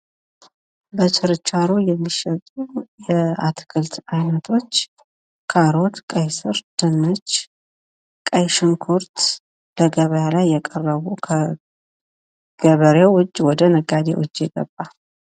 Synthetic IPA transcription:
bət͡ʃɨɾɨt͡ʃʼːaɾujɛmːiʃɛt̪ʼujɛat̪ʰkʰɨlt̪ʰajnət̪ʰo̞t͡ʃː | kʰaɾo̞t̪kʼəjsɨɾd̪̥ɨnːɨt͡ʃː | kʼəjʃɨŋkʰoɾt̪ | ləɡəβəjalajːɛkʼərːəβukʰə | ɡ̥əβəɾewʊd͡ʒʼːwɔd̪ənəɡad̪ḛwʊ̰d͡ʒːjɛɡə̰bːa

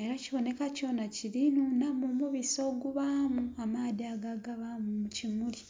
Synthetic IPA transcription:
e̞ɾaciβo̞ne̞kaco̞naciɾinunamumuβiso̞ːɡuβamuamadiaɡaɡaβamumucimuli

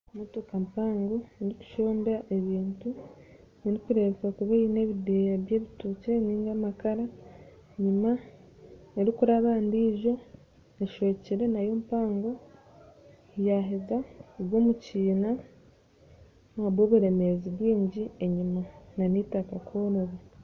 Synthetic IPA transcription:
mutokampaːŋɡo̞nɾicu̥ʃo̞ːndaʔe̞βiːntu | niɾikuɾekakuβeine̞βidejaβjeːβituːce̞niːŋɡamakaɾa | ɲima | eɾikuɾaβaːndiʒo̞ | eʃo̞ːciɾe̞najoːmpaːŋɡo̞ | jaɦezaɡwoːmuciːna | βwoːβuɾe̞me̞ziβwiːɲɟie̞ɲimananitakakʰoːɾoβe

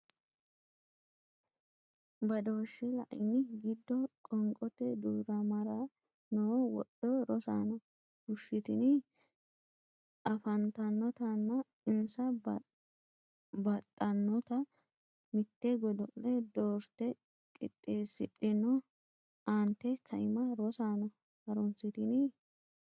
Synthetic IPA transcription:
bɐd̪o̞ːʃːɛlɐ̰ʔɪnɪɡɪd̪ːɔkʼɔŋkʼɔt̪ːɛd̪uːɾɐmɐɾa | noːwɔ̰ɗːɔɾɔsa̰ːnɐ | hʊʃːɪt̪ɪnɪ | ʔɐfɐnt̪ɐnːɔt̪ɐnːɐ | ɪnsɐ | bɐt̪ʼːɐnːɔt̪ɐ | mɪt̪ːɛɡɔd̪ɔʔlɛd̪oːɾt̪ɛ | kʼɪt̪ʼːeːsɪtʼːɪnɔ | ant̪ːɛkʰɐɪmɐɾɔsaːnɔ | hɐɾɔnsɪt̪ɪnɪ

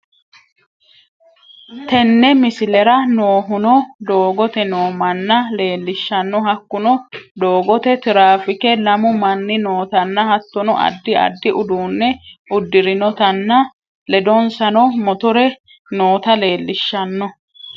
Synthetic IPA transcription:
t̪ɛnːɛmɪsɪlɛɾɐnoːɦʊnɔd̪o̞ːɡɔt̪ɛnoːmɐnːɐle̞ːlːɪʃːɐnːɔɦɐkːʊnɔd̪o̞ːɡɔt̪ɛt̪ɪɾaːfɪkɛlɐmʊmɐnːɪnoːt̪ɐnːɐhɐt̪ːɔnɔʔɐ̰d̪ːɪɐ̰d̪ːɪʔʊd̪uːnːɛʔʊd̪ːɪɾɪnɔt̪ɐnːɐ | lɛd̪ɔnsɐnɔmɔt̪ʊɾɛ | no̞ːt̪ɐle̞ːlːɪʃːɐnːɔ

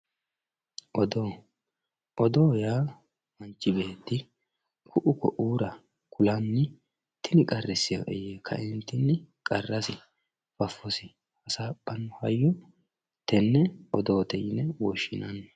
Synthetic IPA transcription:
ʔɔd̪o | ʔɔd̪oːjaː | mɐnt͡ʃːɪbeːt̪ːɪ | kʰʊʔʊkɔʔuːɾɐ | kʰʊlɐnːɪ | t̪ːɪnɪkʼɐrːɪsɪjɐ̰ʔɛjeːkʰːɐ̰ʔɪnt̪ːɪnːɪkʼɐrːɐsɪ | fɐfːɔsɪ | hɐsaːpʼːɐnːɔhɐjːɔ | t̪ɛnːɛɔd̪oːt̪ɛjɪnɛwɔʃːɪnɐnː

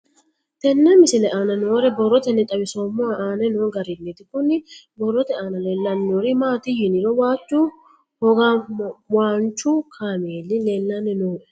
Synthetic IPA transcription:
t̪ɛnːɛmɪsɪlɛʔaːnɐnoːɾɛbɔrːɔt̪ɛnːɛt̪ʼɐbɪsoːmːɔaʔaːnɛnoːɡɐɾɪnːet̪ɪkʊnːɪbɔrːɔt̪ɛaːnɐleːlːɐnːoːɾɪmaːt̪ɪjɪnɪɾɔwaːt͡ʃːu | hɔɡawaːnt͡ʃːʊkʰaːmɪeːlːɪleːlːanːɛnoːʔɛ

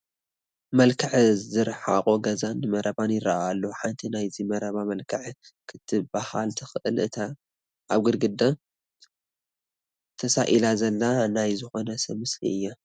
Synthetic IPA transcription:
mɐlkʰɨʕzɨɾħa̰qʼoɡɐzanːɨmɐɾɐβanjɪɾa̰ʔalːoħant̪ʰinajzimɐɾɐβamɐlkʰɐʕkʰɨt̪ʰɨbaha̰lt̪ʰɨxɨʔɨlɨt̪ʰa | ʔaβɡɨɾɡɨd̪a | t̪ʰɐsa̰ʔilazɐlːanajzɨxo̞nɐsɐmɨsḭɨjːa

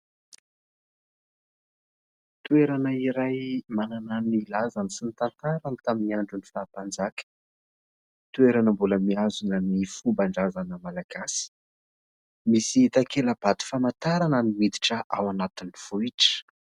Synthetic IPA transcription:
t̪ueɾanəiɾajmanananilazanisinit̪ant̪aɾanit̪aminiaɳɖ͡ʐunifaːpand͡zakʲə̥ | t̪ueɾanəmbuləmiazunənifumbaɳɖ͡ʐazanəmalaɡ̥asi̥ | misiit̪akeləb̥at̪u̥famant̪aɾanəniwid̪i̥ʈ͡ʂəʔa̰wanat̪iniv̥uiʈ͡ʂə̥

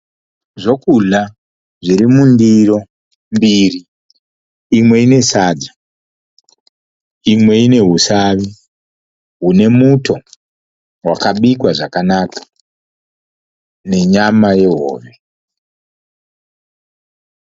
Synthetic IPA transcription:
ʐo̞kuɮa | ʐiɾimundiro̞ | mbiriː | mwe̞ine̞saːdʱa | imwe̞ine̞ɦusaʋi | ɦune̞mutʰo̞ | wakaɓikwaʐakanaːkḁ | ne̞ɲamaje̞ɦo̰ːʋe̞

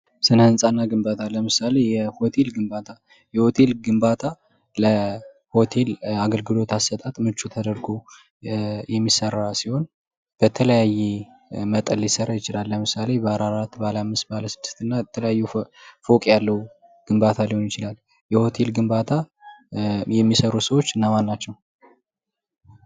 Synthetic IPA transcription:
sɨnhɨnsʼanːaɡɨmbat̪ʰaləmɨsale̞jɛho̞t̪ʰe̞lɡɨmbat̪ʰa | jɛho̞t̪ʰe̞lɡɨmbat̪ʰa | lə | ho̞t̪ʰe̞laɡəlɡɨlo̞t̪ʰasːət̪ʼat̪ʼmɨt͡ʃʼːut̪ʰəd̪əɾɡo | jɛmːisərːasiho̞n | b̥ət̪ʰələjajːe | mət̪ʼəljɪsəɾajɪt͡ʃɪlalːəmɨsale̞bəaɾaɾat̪bəalamːɨst̪baaləsɨd̪ːɨ̥st̪ɨnːaɛt̪ʰələjajːufo̞kʼjalːəhu | ɡ̥ɨmbat̪ʰalihonjɪt͡ʃɪlal | jɛho̞t̪ʰe̞lɡɨmbat̪ʰa | jɛmːisəɾusəwo̞t͡ʃːɨnːamanːat͡ʃːɛw

